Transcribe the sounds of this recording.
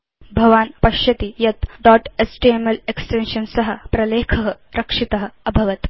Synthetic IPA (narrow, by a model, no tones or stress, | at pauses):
bʱɐʋaːnpɐʃjɐt̪ijɐt̪ɖɔʈesʈiemɐleksʈenʃɐnsɐɦə̆pɾɐleːkʰɐɦə | ɾɐkʂit̪ɐɦə̆ɐbʱɐʋɐt̪